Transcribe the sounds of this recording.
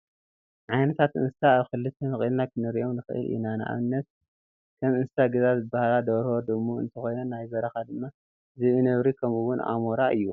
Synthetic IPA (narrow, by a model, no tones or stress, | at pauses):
ʕajnɐt̪ʰat̪ʔɨ̰nst̪aːβxɨlːɨt̪ʰːenɨχʼilnakʰɨnɨɾiʔo̞mnɨxʔɨ̰lʔḭnanɨʔa̰βɨnːɐt̪̚ | kʰɐmɨnsɨ̥t̪ʰaɡɐzazɨbahalad̪ɐβɾhod̪ɨmuɨ̰nt̪ʰɐxo̞jnonajzɐɾɐxad̪ɨmːa | zɨʔɨnɐβɾikʰɐmuwʊnʔa̰moɾaɨ̰jːu